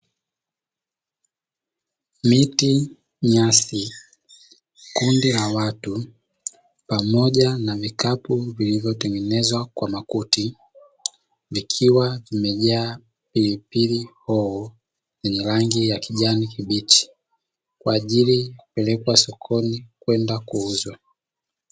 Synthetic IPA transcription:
miti | ɲasi | kundilawatu | pamɔʄanavikapuvilivjɔtɛŋɡɛnɛzwakwamakuti | vikʰiwavimɛʄaː | pilipilihɔɔ | zɛɲɛɾaŋɡijakiʄanikiɓit͡ʃi̥ | kwaːʄilipɛlɛkwasɔkʰɔnikwɛndakuuzwa

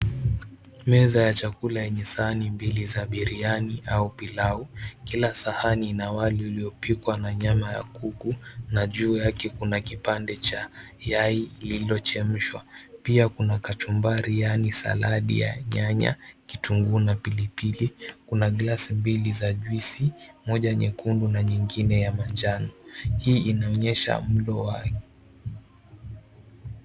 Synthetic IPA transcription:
mɛzajat͡ʃakulajɛɲɛsaanimbilizaɓiɾianiʔaupilaukilasahaninawaliuliɔpikwanaɲamaja̰kukunaʄuːjakɛkunakipandɛt͡ʃajaililiɔt͡ʃɛm̩ʃwapiakunakat͡ʃumbaɾijanisa̰laɗḭja̰ɲaɲa̰kituŋɡunapilipilikunaɡlasimbilizaʄwisimɔʄaɲɛkundunaɲiŋɡinɛjamand͡ʒanɔhiːʔinaɔɲɛʃa̰m̩ɗɔwakɛ

